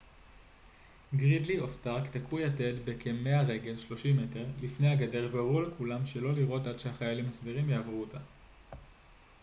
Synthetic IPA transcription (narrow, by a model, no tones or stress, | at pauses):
ɡʁidlio̞staʁkt̪akʰujate̞dbe̞kʰemːe̞aʁe̞ɡe̞lʃlo̞ʃime̞teʁlifne̞jaɡade̞ʁveaʁulekulamʃe̞lo̞liʁʔo̞tadʃehaχajalimasdeʁimjaːvʁuota